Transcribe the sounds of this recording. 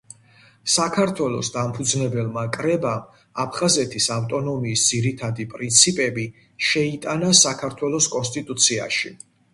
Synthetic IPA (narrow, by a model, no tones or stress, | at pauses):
sakʰaɾt̪ʰwɛlˠɔ̰sd̪ampʰud̪znɛbɛlˠmakʼɾɛbam | apʰχazɛt̪ʰisawt̪ʼɔnɔmiːsd̪z̥iɾit̪ʰad̪ipʼɾint̪sʰipʼɛbi | ʃɛit̪ʼanasakʰaɾt̪ʰwɛlˠɔskʼɔnst̪ʼit̪ʼut̪sʰia̰ʃi